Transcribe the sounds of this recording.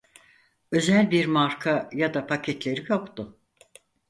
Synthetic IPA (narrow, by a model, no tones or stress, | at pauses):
ø̞zælʲbiɾmaɾkʰajad̪apʰacʰɛt̪lʲe̞ɾijo̞kt̪ʊ